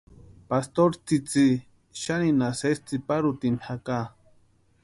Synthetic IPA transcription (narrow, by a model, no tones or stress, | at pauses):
past̪oɾt͡sit͡si | ʃaninasest͡sipaɾut̪inhaka